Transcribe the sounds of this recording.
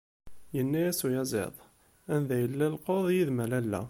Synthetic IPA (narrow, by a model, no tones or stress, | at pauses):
jənːæjæsujɑzˤḛðˤ | ænðæjəlːælqoðˤjiðmælælːæ̰